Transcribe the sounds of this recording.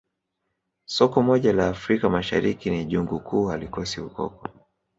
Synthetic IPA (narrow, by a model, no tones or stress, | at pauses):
sɔkɔmɔʄalaːfɾikamaʃa̰ɾikiniʄuŋɡukʰuːalikɔsiukɔ̰kɔ